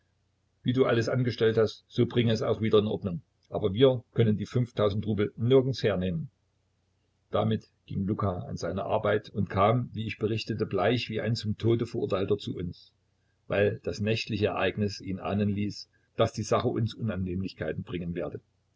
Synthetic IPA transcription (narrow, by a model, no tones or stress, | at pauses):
viːduːʔa̰ləsʔanɡəʃtɛlthastz̥oːbʁɪŋəɛsa̰ʊxv̥iːdɐɪnʔɔ̰ɐdnʊŋ | ʔaːbɐviːɐkʰœnəndiːfʏnftʰaʊzn̩tʁuːbl̩nɪɐɡn̩sheːɐneːmən | d̥amɪt | ɡ̥ɪŋlukaa̰nzaɪnɐʔa̰ɐbaɪtʊntkʰaːmviːɪçb̥əʁɪçtətəblaɪçv̥iːʔa̰ɪnt͡sʊmtʰoːdəfəɐʔʊ̰ɐtʰaɪltɐt͡suːʔʊ̰ns | va̰ɪld̥asnɛçtlɪçəɛɐʔaɪɡnɪsiːnʔa̰ːnənliːs | d̥asd̥iːzaχəʔʊ̰nsʔʊnanːeːmlɪçkʰaɪtn̩bʁɪŋənveːɐdə